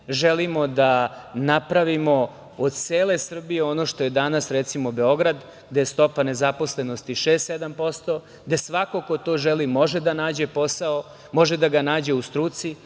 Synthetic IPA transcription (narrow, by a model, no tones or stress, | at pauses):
ʒelimo̞d̪anapɾaʋimo̞ | od̪̚t̪seːle̞sr̩bijeo̞no̞ʃt̪o̞je̞d̪anasɾet̪simo̞be̞o̞ɡɾad̪ | ɡd̪eest̪o̞pane̞zapo̞sle̞nost̪iʃe̞ːst̪sed̪ampo̞st̪o | ɡd̪e̞sʋako̞ko̞t̪o̞ːʒelimo̞ʒed̪anaːd͡ʑe̞po̞sao | mo̞ʒe̞d̪aɡanaːd͡ʑe̞ust̪ɾuːt̪si